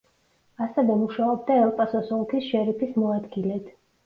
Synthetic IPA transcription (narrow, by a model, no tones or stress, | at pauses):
asɛvɛmuʃaɔbd̪aɛlˠpʼasɔsɔlˠkʰisʃɛɾipʰismɔad̪ɡilɛt̪